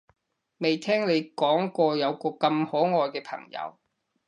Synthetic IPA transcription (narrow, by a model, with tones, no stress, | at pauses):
me˨jt̪ʰɛː˥ŋne˨˧jkɔː˨˥ŋkɔː˧jɐ˨˧wkɔː˧kɐ˧mhɔː˨˥ŋɔː˧jkɛː˧pʰɐ̰˨˩ŋjɐ̰˨˧w